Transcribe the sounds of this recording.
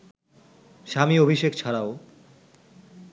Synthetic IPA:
ʃamiobʱiʃekt͡ɕʰaɾao

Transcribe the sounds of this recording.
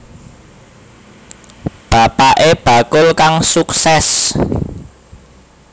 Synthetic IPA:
b̥a̤paʔeb̥a̤kʊlkaŋsuksɛs

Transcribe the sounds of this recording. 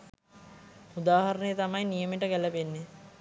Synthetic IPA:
ud̪aːɦaɾənəjət̪amajnijəmeʈəkæləpenːe

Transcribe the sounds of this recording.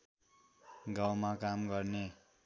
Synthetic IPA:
ɡawmakamɡʌrne

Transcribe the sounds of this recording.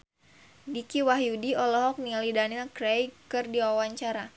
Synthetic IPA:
dikiwaɦjudiɔlɔɦɔk̚nialidanilkɾejkɨrdiwawaɲt͡ʃaɾa

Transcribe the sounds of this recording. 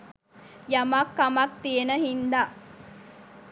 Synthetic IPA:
jɐmakːɐmɐk̚t̪ijenəɦind̪aʔ

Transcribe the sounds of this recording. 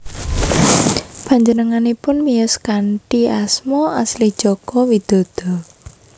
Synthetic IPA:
paɲd͡ʒənəŋanipʊnmiʊskaɳʈiasmɔaslid̥ʒ̥ɔkɔwid̪̥ɔ̤d̪̥ɔ̤

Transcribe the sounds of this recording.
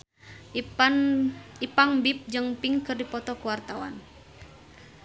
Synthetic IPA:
ipaŋbip̚d͡ʒɨŋpiŋkɨrdipɔt̪ɔkuwart̪awa̰n

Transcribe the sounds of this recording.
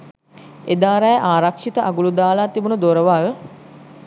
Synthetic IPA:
ed̪aːɾajəʔaːɾakʂit̪əʔaɡulud̪aːlaːt̪ibunəd̪oɾəʋaʋə

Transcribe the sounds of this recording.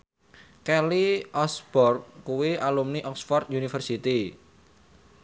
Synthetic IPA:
kɛliʔɔsbɔrk̚kuwiʔalumniʔɔksfɔrt̪̚junifərsit̪i

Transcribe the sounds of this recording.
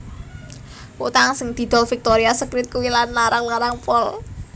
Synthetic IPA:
wut̪aŋsɪŋd̪̥i̤d̪̥ɔ̤lfik̚t̪oɾiasəkɾɪt̪̚kuwilanlaɾaŋlaɾaŋpɔl

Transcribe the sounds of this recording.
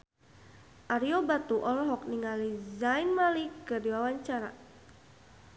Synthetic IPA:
ʔaɾiɔbat̪uʔɔlɔɦɔk̚niŋalizainmalikədiwawaɲt͡ʃaɾa̰

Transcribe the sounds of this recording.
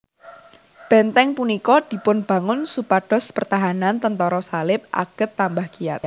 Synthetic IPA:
b̥ɛnt̪ɛŋpunikɔd̪̥i̤pʊnb̥ä̤ŋʊnsupaɖ̥ɔ̤spərt̪aɦanant̪ənt̪ɔɾɔsalɪp̚ʔa̰ɡ̥ət̪ːambahɡ̥ia̰t̪

